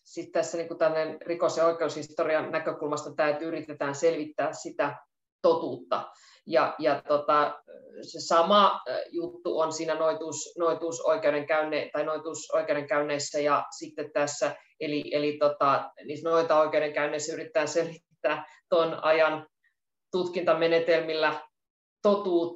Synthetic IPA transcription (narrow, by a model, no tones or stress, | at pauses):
sit̪t̪æsːæniːŋkut̪ælːnenrikosjeoikˑeushist̪oriɑnnækøkulmɑst̪ɑt̪æyt̪yyrit̪et̪æːnselʋit̪ːæːssit̪æ | t̪ot̪uːt̪ːɑ̰ | jɑjɑtt̪ot̪ɑsesɑmɑjut̪ːuonsiːnænoit̪uːsnoit̪uːso̰ikeuɾeŋkæynet̪ɑinoit̪uːsoikeuɾeŋkæynːeisːæjɑsit̪ːet̪t̪æsːæ | eliʔelit̪ot̪ɑniːsnoit̪ɑoikeuɾeŋkæynːˑeisːæyrit̪ĕːæːnselʋit̪ːæː | t̪onɑ̰jɑn | t̪ut̪kint̪ɑmenet̪elmilːæ | t̪ot̪uːt̪ː